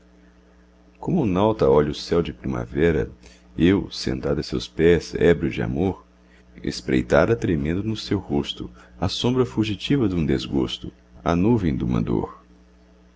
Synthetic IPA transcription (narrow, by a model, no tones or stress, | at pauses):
kõmʊnawt̪ɐɔʎʊsɛwd͡ʒɪpɾĩma̰vɛɾɐ̰ | ewsḛ̃nt̪ad̪ɐsewspɛzɛ̰bɾʊd͡ʒɪa̰moɾ | ḛspɾḛjt̪aɾɐt̪ɾemẽnd̪ʊnʊsewhost̪ʊɐsõmbɾɐfuʒit͡ʃivɐd̪ũd̪ezɡost̪ʊ | ɐ̰nuvẽj̃d̪umɐ̰d̪o̰ɾ